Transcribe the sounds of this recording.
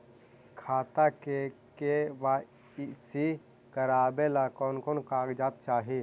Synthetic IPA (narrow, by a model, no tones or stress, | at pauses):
kʰaːt̪akekeʋa | isi | kəɾaːbelakɔːnkɔːnkaːɡd͡ʒaːt̪̚t͡ʃaːɦi